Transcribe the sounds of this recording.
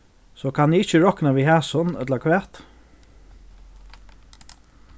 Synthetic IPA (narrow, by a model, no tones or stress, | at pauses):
sɔːkʰanjɪɪt͡ʃəɹɔknaʋiɦæːsʊnœ̰t̪lakʰʋɛːt̪